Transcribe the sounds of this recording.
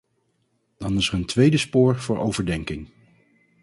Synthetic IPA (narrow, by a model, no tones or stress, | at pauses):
d̥ɑnɪsəɹəntʋejdəspʊːɹv̥ʊːɹʔowvəɹdɛŋkɪŋ